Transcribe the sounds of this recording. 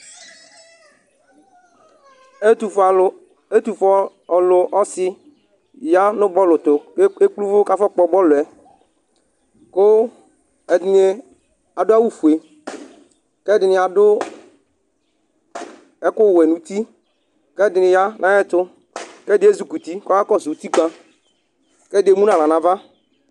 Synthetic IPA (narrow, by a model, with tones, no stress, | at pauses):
u˨ | e˦t̪u˨fɔ˦ | ɔ˨lʊ˨ʔɔ˦sɪ˦ | ja˦nʊ̃˦bɔ˦lʊ˨t̪ʊ˨˦e˦k͡plu˦vʊ˦ka˦fɔ˦k͡pɔ˨bɔ˦lʊ˨ɛ˨ | ko˦˨ | a˨dʊ˦a˦wu˦fu˨e˨ | kɛ˦˨dɪ˨nɪ˨a˨dʊ˦ | ɛ˦kʊ˦˨wɛ˨nũ˨t̪i˦ | kɛ˦˨dɪ˨nɪ̃˨ja˦nʔã˨˦jɛ˦˨t̪ʊ˦ | kɛ˦dɪ˨˦e˦zu˨ku˨t̪i˦kɔ˦a˦kɔ˦zu˨u˨˦t̪i˦k͡pã˦ | kɛ˦˨de˨˦mũ˦nã˨la˨nã˨va˦